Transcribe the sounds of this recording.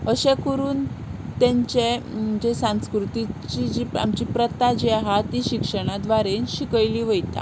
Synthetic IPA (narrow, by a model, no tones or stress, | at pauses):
əɕekuɾuːnt̪ẽɲt͡ɕed͡ʑesãskɾut̪it͡ɕid͡ʑiːa̰mt͡ɕiːpɾət̪ad͡ʑiaɦat̪iɕikʂəɽ̃ad̪ʋaɾenɕikəjliːʋəjt̪a̰